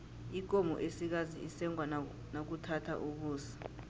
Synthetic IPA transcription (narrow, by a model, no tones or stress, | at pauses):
ik̬ʼomɔ̰ʔesik̬azḭisɛŋʱwa | nok̬utʰatʰa̰ʔuk̬uːsi̥